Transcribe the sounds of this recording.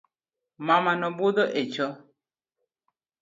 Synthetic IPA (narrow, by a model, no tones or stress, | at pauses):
mamanɔbud̪ɔʔet͡ʃɔ